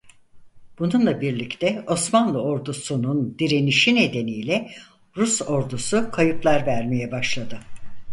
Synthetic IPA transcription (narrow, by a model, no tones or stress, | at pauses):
b̥ununlˠabiɾlʲict̪ʰɛo̞smanlˠɯo̞ɾd̪usunund̪iɾe̞niʃine̞d̪e̞nijlʲɛ | ɾuso̞ɾd̪usukʰajɯplˠaɾvæɾme̞jɛbaʃlˠad̪ɯ